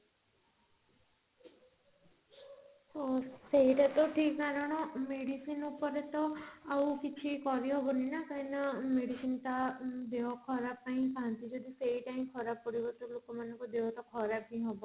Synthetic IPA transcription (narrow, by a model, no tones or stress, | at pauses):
t̪ɔseɦiʈat̪ɔʈʰikkaɾɔɽ̃ɔmeɽisinupɔɾet̪ɔaukit͡ʃʰikɔɾiɦɔbɔninakainameɽisint̪ad̪eɔkʰɔɾab̚paĩkaɦnt̪id͡ʒɔd̪iseɦiʈaĩkʰɔɾab̚pɔɽibɔt̪ulokɔmanɔŋkud̪eɦɔt̪ɔkʰɔɾab̚ĩɦɔbɔ